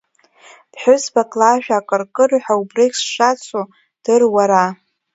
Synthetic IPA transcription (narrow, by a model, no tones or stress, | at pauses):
b̥ħʊsbakʼlaʒᶣaːkʼɨrkʼɨrħʷᶣaubreksʃat͡sʷʰʼo | d̥ɨrwaɾa